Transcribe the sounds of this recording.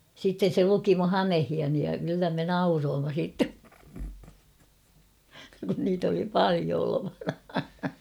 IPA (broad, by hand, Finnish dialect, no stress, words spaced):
sitːen se luki mu hɑmehiɑni jɑ kylːæ me nɑuroːmːɑ siˑtːe kun niːt oli pɑlio oloʋɑnɑ